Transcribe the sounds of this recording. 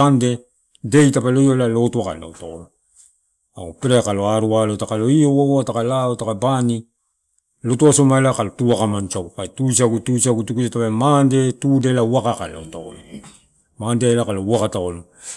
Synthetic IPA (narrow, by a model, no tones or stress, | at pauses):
ande̞ | de̞jtapalojolalo̞tuaka̰lːa̰otaolo | aupeɾekalo̞aɾualotakalo̞iowawotakalaotakabani | lo̞tuasomaelakalotuakamant͡ʃaɡupaetusiaɡutusiaɡutukusatapemande̞tudelauwakaka̰la̰otao̰lo | mandeelakalowakataolo